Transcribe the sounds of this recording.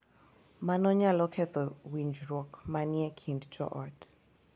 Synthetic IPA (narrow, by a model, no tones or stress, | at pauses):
manɔɲalɔkʰɛt̪ɔwind͡ʒɾɔkmaniɛkʰindd͡ʒɔ̰ʔɔt